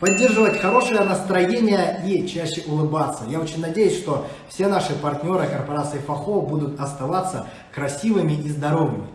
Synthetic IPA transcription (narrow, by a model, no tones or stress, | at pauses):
pɐdʲːe̞rʐɨvətʲxɐɾo̞ʂɨjənəst̪ɾɐjenʲɪjəit͡ɕæɕːɪʔʊlˠɨbat̪sːəjaot͡ɕɪnʲnɐdʲejʊsʲʂt̪o̞fsʲe̞naʂɨpɐrtʲnʲo̞ɾɨkərpɐɾat̪sɨɪfɐxobud̪ʊt̪ɐst̪ɐvat̪sːə | kɾɐsʲivɨmʲɪʔizd̪ɐɾo̞vɨmʲɪ